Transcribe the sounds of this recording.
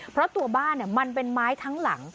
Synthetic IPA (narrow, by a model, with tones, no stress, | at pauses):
pʰɾɔ˦˥t̪u˧ɐbaː˥˩nːi˥˩ɐma˧np̬e˧nmaː˦˥jt̪ʰa˦˥ŋla̰˩˦ŋ